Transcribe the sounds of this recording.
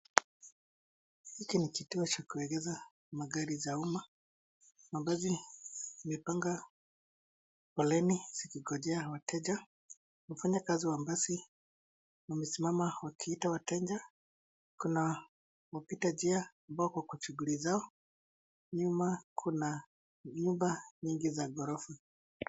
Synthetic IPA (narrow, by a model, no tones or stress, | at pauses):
hikinikituɔt͡ʃakuɛɡɛza | maɡaɾizauma | mambazi | mɛpaŋɡa | pɔlɛniz̥ikiɡɔd͡ʒɛawatʰɛd͡ʒa | hufaɲakaziwambasi | wamisimamawakʰiitawatɛɲd͡ʒa | kuna | wapitad͡ʒia | mbaɔkwakut͡ʃuɡulizaɔ | ɲumakʰuna | ɲumbaɲiŋɡizaɡɔɾɔfɛ